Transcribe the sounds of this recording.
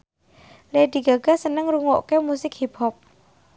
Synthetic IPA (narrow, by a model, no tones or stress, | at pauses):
led̪i̤ɡaɡ̥asənəŋɾuŋoʔkemusɪkhipɔp̚